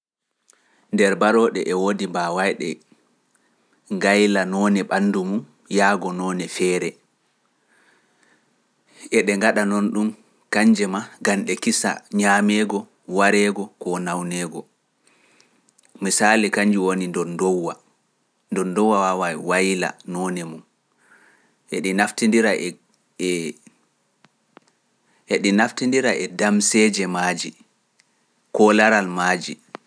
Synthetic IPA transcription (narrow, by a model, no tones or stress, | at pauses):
ndɛɾbaɾɔːɗɛʔɛwodibawajɗɛ̰ | ŋɡajlanɔːnɛɓanːdumum | jaːɡɔnɔnɛfɛːɾɛ | ʔɛɗɛŋɡaɗanɔnɗum | kaɲd͡ʒɛmaɡanɗɛkisa̰ɲamɛɡɔ | waɾɛɡɔkɔnawnɛːɡɔ | misaːlikaɲd͡ʒiwonindɔndɔwa | ndɔndɔwːawawawajila̰nɔːnɛmum | hḛɗinaftindiɾaʔɛ | ɛ | heɗinaftindiɾaʔɛdamsɛːd͡ʒɛmaːd͡ʒi | kɔlaɾalmaːd͡ʒḭ